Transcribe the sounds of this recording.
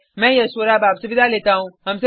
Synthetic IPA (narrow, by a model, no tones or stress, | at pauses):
mɛ̃jəsəɾabaːbsuʋid̪ʱalet̪aɦũɦəmse